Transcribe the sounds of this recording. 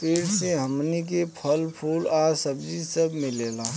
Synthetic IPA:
peːɽseɦɐmnik̬epʰəlpʰuːlaːsəbd͡ʒisɐbmɪleːlaː

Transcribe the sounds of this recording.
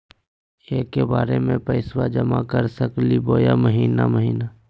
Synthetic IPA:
eːkːebaːɾemẽpəɪswad͡ʒəmakəɾsəkliboːjaməɦiːna̰məɦiːna

